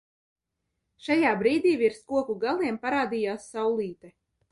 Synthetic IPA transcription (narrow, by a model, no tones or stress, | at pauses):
ʃajaːbɾiːd̪iːviɾskuɔkuɡalˠiɛmpaɾaːd̪ijaːsːawlˠiːt̪ɛ